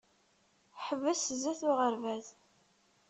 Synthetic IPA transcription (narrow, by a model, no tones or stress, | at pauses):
ħəvːəsəzæθʊʁəɾvæz